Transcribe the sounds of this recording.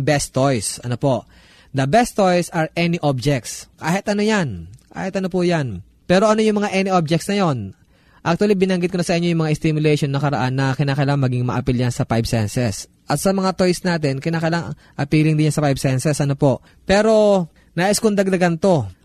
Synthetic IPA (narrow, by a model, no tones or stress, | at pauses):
bɛst̪ːojsʔɐno̞po̞ʔ | d̪ɐbɛst̪ːojsɐɹʔɛniʔob̚d͡ʒɛk̚t̪skaːhɪt̪ʔɐnojanka̰ːhɪt̪ʔɐno̞pʊjan | pɛːɾo̞ʔɐno̞jʊŋmɐŋaʔɛnɪʔob̚d͡ʒɛkt̪snɐjo̞n | ʔak̚t̪uɐlibɪnɐŋɡɪt̪konɐsɐʔɪɲo̞jʊŋmɐŋaʔɪst̪ɪmjʊlɛjʃo̞nːɐkɐɾɐ̰ʔanːɐkɪnaːkɐlaŋmɐɡiŋmɐ̰ʔɐpiljansɐpajbsɛnsɛs | ʔɐt̪sɐmɐŋat̪ojsnaːt̪ɛnkɪnaːkɐlaŋ | ʔɐpiːlɪŋd̪ɪɲansɐpajbsɛnsɛsʔɐno̞po̞ʔ | pɛːɾo̞ | naːʔɪskʊŋd̪ɐɡ̚d̪ɐɡant̪o̞